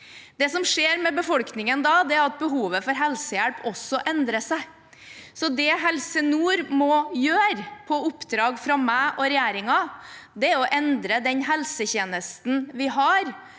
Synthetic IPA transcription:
d̪̥ɛsɔmʂeːɾmɛbəfɔlknɪŋənd̪ɑːd̪ɛæɾɑt̪̚bəɦuːʋəfɔɾɦɛlsəjæɽpʰɔsːɔʔɛnd̪ɾəsæɪ | sɔd̪ɛɦɛlsənuːɾmɔjøːɾpʰɔʊpːd̪ɾɑːɡfɾɑmæːʔɔɾɛjæːɾɪŋɑd̪ɛæɔʔɛnd̪ɾəd̪ɛnɦɛlsəçeːnəst̪nʋɪɦɑɾ

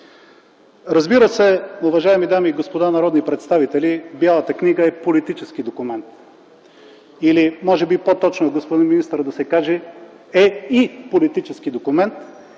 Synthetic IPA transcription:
ɾɐzbiɾəsɛʊvɐʒaɛmid̪amiːɡospod̪anɐɾɔd̪nipɾɛt̪st̪avit̪ɛlibʲjalˠət̪əkniɡəɛpolit̪it͡ʃɛskid̪okʊmɛnt̪ | ilimɔʒɛbipot̪ɔt͡ʃnoɡospod̪inminist̪əɾd̪ɐsɛkaʒɛ | ɛipolit̪it͡ʃɛskid̪okʊmɛnt̪

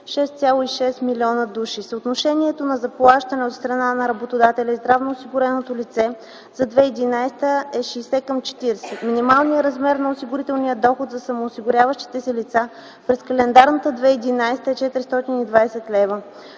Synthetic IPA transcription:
ʃɛst̪sʲalˠoiʃɛst̪milʲiɔnəd̪uʃisot̪noʃɛniɛt̪onɐzɐplˠaʃt̪ɐnɛot̪st̪ɾɐnanɐɾɐbot̪od̪at̪ɛlʲɛzd̪ɾavnoːsiɡʊɾɛnot̪olit̪sɛ | zɐd̪vɛid̪inajst̪əɛʃiːsɛkəmt͡ʃɛ̥t̪iɾɛsɛt̪minimalˠnijəɾɐzmɛɾnɐosiɡʊɾit̪ɛlˠnijəd̪ɔxot̪zɐsɐmoːsiɡʊɾʲavəʃt̪i̥t̪ɛsɛlit̪sa | pɾɛskɐlɛnd̪aɾnət̪əd̪vɛid̪inajst̪əɛt͡ʃɛt̪ɾist̪ɔt̪inid̪vaɛsɛt̪lɛvə

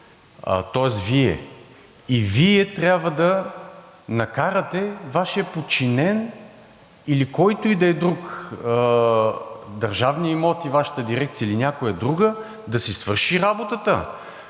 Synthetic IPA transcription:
ə̰t̪ɔɛs̬viɛ̰ | iviɛt̪ɾʲabvəd̪ɐ | nɐkaɾət̪ɛvaʃiɐpot͡ʃinɛn | ilikɔjt̪oid̪ɐɛd̪ɾukə | d̪ɐɾʒavniimɔt̪ivaʃə̥t̪əd̪iɾɛk̚t̪sijəilinʲjakojɐd̪ɾuɡə | d̪ɐsisvɤɾʃiɾabot̪ət̪ə̰

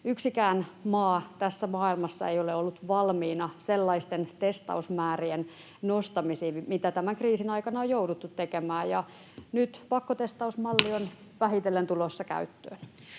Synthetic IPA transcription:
yksikæːnmɑːt̪æsːæmɑːilmɑsːɑejoleolːut̪ʋɑlmiːnɑselːɑist̪ent̪est̪ɑ̰usmæːrien | nost̪ɑmisiːmit̪æt̪æmæŋkriːsinɑikɑnɑojoudut̪ːut̪tekemæːjɑ | nyt̪pɑkːot̪est̪ɑusmɑlːion | ʋæhit̪elːent̪ulosːɑkæ̰yt̪ːø̰ːn

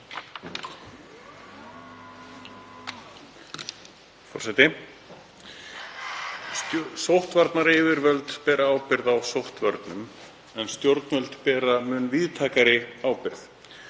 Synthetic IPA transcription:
fɔ̰ɾ̥sɛt̪ɪ | sowht̪vaɾt̪naɾɪːvɪɾvœlt̪pɛːɾaaːwpɪɾðawsowht̪vœɾt̪nʏm | ɛnst̪jowɾt̪nvœlt̪pɛːɾamʏːnvɪðt̪ʰaːkaɾɪaːwpɪɾθ

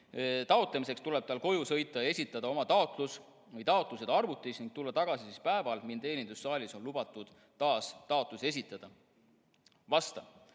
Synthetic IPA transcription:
t̪ɑot̪lemise̞kst̪ule̞b̥̚t̪ɑlko̞jusɤ̞jt̪ˑːɑjɑe̞sʲit̪ːˑɑd̪ɑo̞mɑt̪ɑo̞t̪ˑlus | vɯjt̪ɑot̪ˑluse̞d̪ɑrvut̪ːˑisniŋɡ̥̚t̪ulːɑt̪ɑɡ̥ɑsisispæe̞vɑlmint̪e̞ːnʲind̪̥usːɑːlʲiso̞nlub̥ɑt̪ːˑud̪̥ | t̪ːɑːst̪ɑo̞t̪ˑluse̞s̬ʲit̪ːˑɑd̪̥ɑ | vɑst̪ɑ

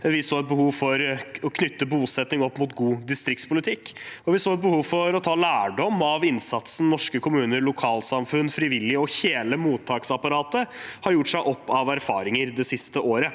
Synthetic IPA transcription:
ʋɪsoːɛt̪̚bəhuːʋfɔɾɔkʰnʏt̪ːəbuːsɛt̪nɪŋɔpːmʊt̪ɡuːd̪ɪst̪ɾɪk̚t̪spʰʊlɪt̪ʰɪkːɔʋɪsoːɛt̪̚bəhuːʋfɔɾɔt̪ʰɑːlæːɖɔmɑʋɪnsɑt̪sn̩nɔʂkəkʰʊmʉːnəɾlʊkʰɑːlsɑmfʉnːfɾɪʋɪlːɪɔçeːləmuːt̪ʰːɑːksɑpɑɾɑːt̪əhɑɾjʊʈːʂæɪʔɔpːɑʋæɾfɑ̰ːɾɪŋəɾd̪ɛsɪst̪əʔoːɾə

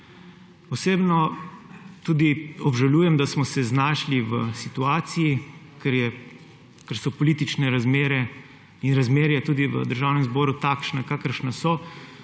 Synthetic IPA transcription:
ɔseːbnɔ | t̪uːd̪iɔbʒaluːjɛmd̪asmɔsɛznaːʃliʋəsit̪uaːt̪siji | kɛɾjɛ | kəɾsɔpɔliːt̪it͡ʃnɛɾazmeːɾɛ | inɾazmeːɾɛjɛt̪uːd̪iʋə̰d̪əɾʒaːwnɛmzbɔːɾut̪aːkʃnakakəɾʃnasɔ

